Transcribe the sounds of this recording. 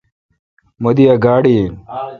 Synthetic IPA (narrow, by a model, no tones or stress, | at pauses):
mod̪ijɐɡaːɽi